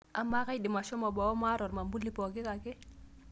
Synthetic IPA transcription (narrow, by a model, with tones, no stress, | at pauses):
a˨ma˦ka˦jdi˨ma˨ʃɔ˦mɔ˨bɔ˨ɔ˦ma˦ɾɔ˨ɾma˨mbu˦lːi˦pɔ˨kɪ˦ka˨ke˦